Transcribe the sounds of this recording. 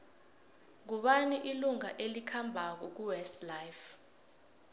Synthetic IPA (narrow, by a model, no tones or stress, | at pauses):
ŋuɓaniʔiluŋaʔelikʰambʱak̬uk̬uwɛstlajf